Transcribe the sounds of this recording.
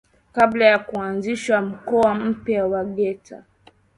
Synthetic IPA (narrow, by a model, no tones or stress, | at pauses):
kablajakuanziʃam̩kɔam̩pjawaɠɛtʰa